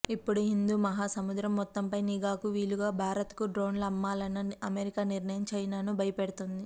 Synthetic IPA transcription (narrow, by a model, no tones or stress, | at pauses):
ipːuɽuɦind̪uːmɐɦaːsɐmud̪ɾɐmːɔt̪ːɐmpɐjniɡaːkuʋiːluɡaːbʱaːɾɐt̪kuɖɾo̞ːnlɐɐmːaːlɐnɐɐmeɾikaːniɾnɐjɐmt͡ʃɐjnaːnubʱɐjɐpeɽut̪und̪i